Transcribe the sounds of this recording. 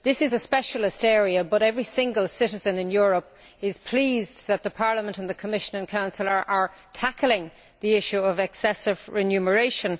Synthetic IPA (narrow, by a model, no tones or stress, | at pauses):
ðɪsɪzəspɛʃəlɪstɛːɹiəbʌɾɛvɹisɪ̃ŋɡəlˠsɪɾɪzə̃nɪ̃njʊɹəp | ɪz̥pʰl̥iːzðət̪̚ðəpʰɑɹləmə̃ntə̃nðəkʰəmɪʃə̃nə̃nkʰãʊ̃nsəlˠə˞ʔə˞tʰaklɪ̃ŋ | ðiɪʃuʌvɛksɛsɪvɹɪnjʉmə˞eɪʃə̃n